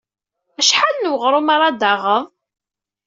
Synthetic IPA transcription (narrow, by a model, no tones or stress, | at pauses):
æʃħalnəwəʁɾˤʊmaɾˤɑd̪aʁəðˤ